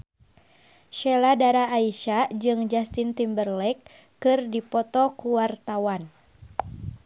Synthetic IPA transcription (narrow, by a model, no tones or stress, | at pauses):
ʃɛladaɾaʔːiʃad͡ʒɨŋd͡ʒast̪int̪imbərlɛkː | ɨrdipɔt̪ɔkuwart̪awan